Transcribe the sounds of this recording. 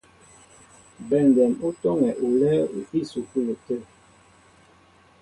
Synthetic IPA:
bɛ˨ndɛ˨nu˦tɔ˦ŋɛ˨ʔu˨lɛ˦ṵ˨pi˦su˨ku˦lə˨tə˦˨

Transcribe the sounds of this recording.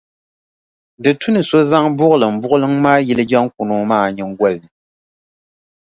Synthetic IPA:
dɨ˨tu˦nɨ˨so˦za˦ŋbʊ˦ʔʊ˦lɨ˨m̩˨bʊ˦ʔʊ˦lɨ˦ŋmaː˦jɛ˦lɨ˦ɡa˦ŋk̚u˨no˦maː˦˨ɲɛ˨ŋ˦ɡwɔ˦lɨ˨nɨ˨

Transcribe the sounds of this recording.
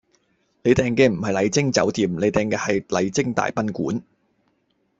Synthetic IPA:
le˨˧jt̪ɛː˨˧ŋkɛː˧m̩˨˩hɐ˨jlɐ˨˧jt͡sɪ˥ŋt͡sɐ̰˨˥wt̪iː˨˩mle˨˧jt̪ɛː˨˩ŋkɛː˧hɐ˨jlɐ˨˧jt͡sɪ˥ŋt̪a̰ː˨jpɐ˥nkuː˨˥n

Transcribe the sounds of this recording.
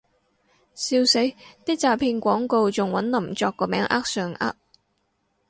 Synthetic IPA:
siː˧wse˨˥jt̪iː˥k̚t͡saː˨˩pʰiː˧nkʷɔː˨˥ŋko˨˧wt͡sʊ˨ŋwɐ˨˥nlɐ˨˩mt͡sɔː˧kːɔː˧mɛː˨˥ŋʔa̰ː˥k̚sœː˨˩ŋʔa̰ː˥k̚

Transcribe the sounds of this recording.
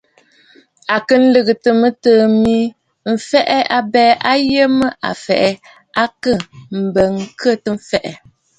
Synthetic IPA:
a˨kə˦n̩˦lɨ˦˨ɣɨ˨tə˨mə˦təː˦mi˦ | m̩˨fɛ˦ʔɛ˦a˨bɛ˦ʔa˦je˦mə˦ʔa̰˨fɛ̰˨ʔɛ˨ | a˦kə˦˨m̩˨bə˨ŋ˦kʰə˦˨tə˦ɱ̩˦fɛ˦˨ʔɛ˨

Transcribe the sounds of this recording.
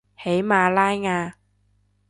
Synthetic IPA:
he˨˥jmaː˧laː˥jŋaː˧

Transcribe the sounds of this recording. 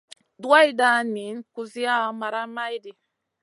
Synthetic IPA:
du˦a˦i˦da˦ni˨˦nku˨zi˦a˦ma˨ɾa˦ma˦jdi˨

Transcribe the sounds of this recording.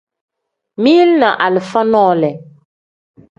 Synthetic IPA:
mi˦lna˨ʔa˨lɪ˨fa˦nɔː˦˨lɛ˨

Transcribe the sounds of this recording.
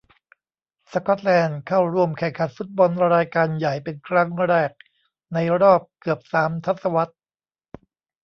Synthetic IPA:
sa˧kɔ˦˥t̪̚lɛː˧nkʰa˥˩wɾu˧˩əmkʰɛ˨˩ŋkʰa˨˩t̪̚fu˦˥t̪̚bɔ˧nɾaː˧jkaː˧nja˨˩jpe˧nkʰɾa˦˥ŋɾɛː˥˩k̚ | na˧jɾɔː˥˩p̚kɯ˨˩əp̚saː˩˦mt̪ʰa˦˥t̪̚sa˧wa˦˥t̪̚

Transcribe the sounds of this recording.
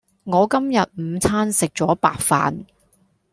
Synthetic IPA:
ŋɔː˨˧kɐ˥mjɐ˨t̚m̩˨˧t͡sʰaː˥nsɪ˨k̚t͡ʃɔː˨˥pa̰ː˨k̚fa̰ː˨n

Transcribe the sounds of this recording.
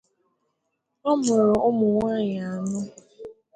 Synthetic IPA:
ɔ˦mʊ˨ɾɔ˨ʔʊ˦mʊ˨ŋʷa˦ɲɪ˨a˨nʊ˦

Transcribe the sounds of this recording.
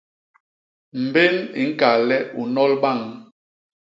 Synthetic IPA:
m̩˨be˦nḭ˨˦ŋ̩˦ka˨lɛ˦u˨nɔ˦lɓa˦˨ŋ

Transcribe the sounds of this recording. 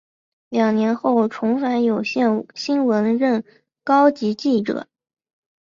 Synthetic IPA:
ljɑ˨˩ŋnjɛ˧˥nxo˥˩ʊʈ͡ʂʰʊ˧˥ŋfa˧˥njo˨˩ʊɕjɛ˥˩nɕi˥nwə˧˥nɻə˥˩n | kɑ˥ʊt͡ɕi˧˥t͡ɕi˥˩ʈ͡ʂɤ̰˨˩˦

